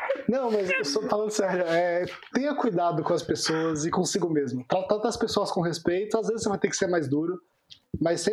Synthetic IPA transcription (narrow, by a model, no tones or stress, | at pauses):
nɐ̃w̃mɐzesofalɐ̃nd̪ʊsɛɾjʊɛt̪ẽj̃ɐkujd̪ad̪ʊkõɐspesoɐzɪkõsiɡʊ̃mezmʊt̪ɾat̪ad̪ɐspesoɐskõhespejt̪ʊazvezɪsevajt̪eɾkɪ̥seɾmajzd̪uɾʊ | mɐssẽ